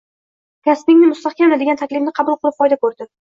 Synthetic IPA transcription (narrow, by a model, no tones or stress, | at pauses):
kʲʰaspɪŋnɪmʊst̪aχkʲamad̪ɪɡʲant̪ʰakʲlɪfnɪqʰɑbʊlˠqʰɨlˠɪp̚fɒjd̪akɵɾd̪ɪ